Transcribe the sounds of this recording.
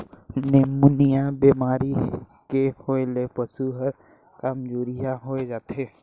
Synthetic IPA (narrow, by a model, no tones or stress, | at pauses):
nemunijabeːmaːɾikehoːelepəsuɦəɾ | kamd͡ʒoːɾijaɦoed͡ʒaːt̪eː